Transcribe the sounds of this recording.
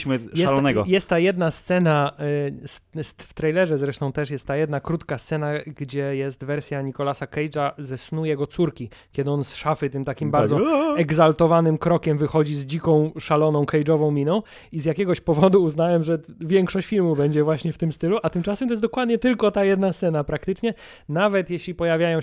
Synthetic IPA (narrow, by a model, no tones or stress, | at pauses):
mɘjɛsalɔnɛɡɔ̰jɛst̪ːajɛd̪nast̪sɛna | ssft̪ɾɛjlɛʐɛzɾɛʂt̪ɔ̃w̃t̪ɛʂ̬jɛst̪ːajɛd̪nakɾut̪kast̪sɛnaɡd͡ʑɛjɛst̪vɛɾsʲjaɲikɔlasakɛjd͡ʐazɛsnujɛɡɔt̪suɾkʲi | kʲɛd̪ɘɔnsʂafɘt̪ɘmt̪akʲimbaɾd̪zɔɛɡzalt̪ɔvanɘmkɾɔkʲɛmvɘxɔd͡ʑizd͡ʑikɔ̃w̃ʂalɔnɔ̃w̃kɛjd͡ʐɔvɔ̃w̃mʲinɔ̃w̃ | izjakʲɛɡɔɕpɔvɔd̪uːznawɛmʐɛvʲjɛŋkʂɔɕt͡ɕfʲilmubɛɲd͡ʑɛvwaɕɲɛft̪ɘmst̪ɘluʔat̪ɘmt͡ʂasɛmt̪ɔjɛsd̪ɔkwad̪ɲɛt̪ɘlkɔt̪ajɛd̪nast̪sɛnapɾakt̪ɘt͡ʂɲɛ | navɛt̪jɛɕlʲipɔjavʲjajɔ̃w̃